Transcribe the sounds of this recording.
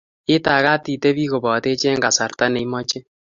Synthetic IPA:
ɪ˦ta˨ka˦ti˨te˦βi˦ɣo˨bɔ˨te˦t͡ʃe˦ŋɡa˨sa˨rta˦ne˨˦mɔ˦t͡ʃe˦

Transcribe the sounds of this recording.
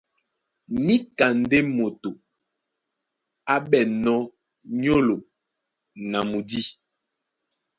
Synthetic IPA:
ni˦ka˨n˨˦de˦mo˨to˨ | a˦ɓɛ˨nɔ˦ | ɲo˦lo˨ | na˨mu˨di˦

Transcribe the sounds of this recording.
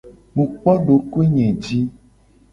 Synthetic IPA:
mũ˨k͡pɔ˦ɖo˨ko˦e˦ɲɛ̃˨d͡ʒi˦

